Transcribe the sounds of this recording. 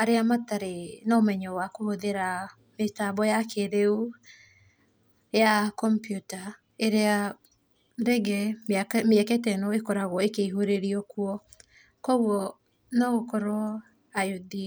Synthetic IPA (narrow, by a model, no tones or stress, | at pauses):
aɾeamataɾenɔmɛɲɔwakooðeɾa | metabɔjakeɾeu | jakɔmpjuta | eɾea | ɾɛɡɛmɛkɛtɛnɔekɔɾaɣwɔekeiɦoɾeɾiɔkuɔ | kɔwɔ | nɔɣokɔɾo | ajoði